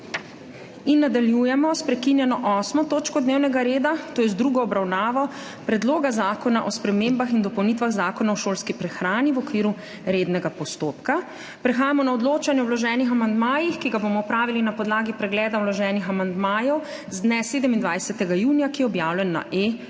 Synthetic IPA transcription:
inːad̪aljujɛmɔspɾɛkinjɛnɔʔɔːsmɔt̪oːt͡ʃkɔd̪neːwnɛɡaɾeːd̪at̪oːjɛzd̪ɾuːɡɔɔbɾawnaːʋɔ | pɾɛd̪loːɡazaːkɔnaʔɔspɾɛmeːmbaxind̪ɔpɔwnit̪ʋaɣzaːkɔnaɔʃoːlskipɾɛxɾaːniwɔkʋiːɾu | ɾeːd̪nɛɡapɔst̪oːpka | pɾɛxaːjamɔnaɔd̪loːt͡ʃanjɛɔwlɔʒɛːnixamand̪maːjixkiɡabomɔupɾaːʋilinapɔd̪laːɡipɾɛɡlɛːd̪awlɔʒɛːnixamand̪maːjɔw | zd̪nɛseːd̪əmind̪ʋajsɛt̪ɛɡajuːnijakijɛɔbjaːwlɛnːa̰ʔe

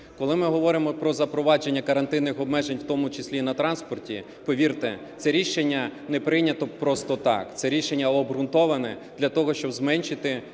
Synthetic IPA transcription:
kɔlˠɪmɪɦɔʋɔɾɪmɔpɾɔzɐpɾɔʋɑd͡ʒenʲːɐkɐɾɐnt̪ɪnːɪxɔbmɛʒenʲwt̪ɔmʊt͡ʃesʲlʲinɐt̪ɾɑnspɔrtʲi | pɔʋʲirt̪ɛ | t̪sɛɾʲiʃenʲːɐnɛpɾɪnʲɐt̪ɔpɾɔst̪ɔt̪ɑ̰kt̪sɛɾʲiʃenʲːɐɔbɾʊnt̪ɔʋɐnɛd̪lʲɐt̪ɔɦɔʃt͡ʃɔbzmɛnʲʃɪt̪ɪ

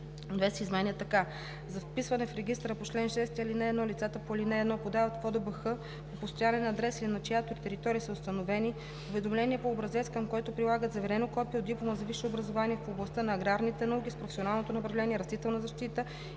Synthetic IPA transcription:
nvɛsizmɛniət̪ɐka | zɐfpisvɐnɛfɾɛɡ̟ʲist̪ɾəpot͡ʃlɛnʃɛst̪ɐlinɛːd̪nɔlit̪sat̪əpolinɛɛd̪nɔpod̪avɐt̪fɔd̪əbəxɤ | popost̪ojanɛnɐːd̪ɾɛsilinɐt͡ʃjat̪oit̪ɛɾit̪ɔɾiːsəʊst̪ɐnovɛni | ovɛd̪omlɛniɛpoːbɾɐzɛskɐmkoɛt̪opɾilˠaɡət̪zɐvɛɾɛnokɔpiɛod̪iplˠomɐzɐviʃɛobɾɐzovaniɛfoblˠɐst̪ənɐːɡɾaɾnit̪ɛnɐuk̟ʲispɾofɛsionalˠnot̪onɐpɾɐvlɛniɛɾɐst̪it̪ɛlˠnɐzɐʃt̪it̪ə

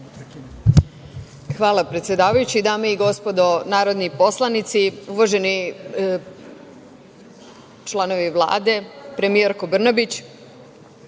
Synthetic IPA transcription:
xʋaːlˠapɾet̪sjed̪aːʋajut͡ɕid̪aːmeiɡo̞spo̞d̪o̞naːɾo̞d̪nipo̞slˠanit̪siuʋaʒe̞ni | t͡ʃlˠano̞ʋiʋlˠa̰ːd̪e̞pɾe̞mijeɾko̞br̩nabit͡ɕ

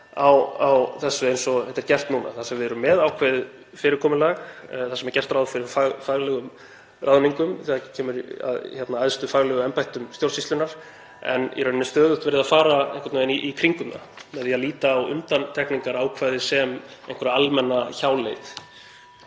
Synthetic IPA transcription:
awawθɛsːʏejnsɔɛt̪ɛɾcɛr̥t̪nuːna̰θasɛmvɪðɛɾʏmːɛðawkʰvɛːðɪ | fɪɾɪɾkʰɔːmʏlaɣθasɛmɛɾcɛr̥t̪ɾawðfɪɾɪɾfaɣfaɣlɛɣʏm | raðniŋkʏmθiacʰɛːmʏɾa̰ðçɛt̪naajðst̪ʏfaɣlɛɣʏɛmpajht̪ʏmst̪jowlsist̪lʏnaɾ̥ | ɛ̰nʔɛ̰ɾnnɛst̪œːðʏht̪vɛɪɾɪðafaːɾaḛjhkvat̪naɛniʔikʰɾiŋkʏmna̰ | mɛðialiːt̪aːwʏ̰nt̪ant̪ʰɛkniŋkaɾaːwkʰvaːðɪsɛmẽjhŋkvɔɾaalmɛnːaçaːwlejt̪

